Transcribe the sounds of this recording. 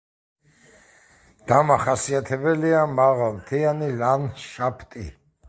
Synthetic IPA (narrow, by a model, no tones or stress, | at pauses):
d̪̥amaχasiat̪ʰɛbɛliamaʁamt̪ʰianilanʃapʰt̪ʼḭ